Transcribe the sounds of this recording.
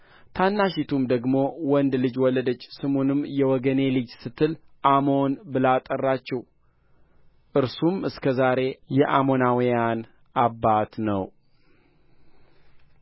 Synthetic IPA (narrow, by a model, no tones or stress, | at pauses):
t̪ʰanːaʃit̪ʰumd̪əɡmo̞wɔnd̪lɨd͡ʒwɔləd̪ət͡ʃːsɨmonɨmːjɛwɔɡəne̞lɨd͡ʒsɨt̪ʰːɨlʔamo̞nbɨlat̪ʼərːat͡ʃːɛw | ʔɨɾsumɨskʰəzaɾe̞jɛʔamo̞nawijan | ʔabːat̪nə̰w